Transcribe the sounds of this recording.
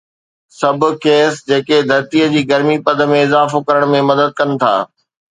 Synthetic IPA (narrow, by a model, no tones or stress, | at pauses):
sɐbʱʊ̆keːsd͡ʑeːked̪ʱɐɾt̪iːəd͡ʑiːɡɐɾmipɐd̪ə̆mẽɪzaːfokɐɾəɽ̃mẽmɐd̪əd̪̚kɐnɪ̆t̪ʰa̰ː